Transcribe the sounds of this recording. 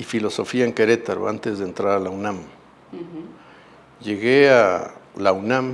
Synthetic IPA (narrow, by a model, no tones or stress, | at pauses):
ifilosofiaeŋkeɾet̪aɾ̰a̰nt̪ezðeːnt̪ɾaɾalawnam | jeɣealawnam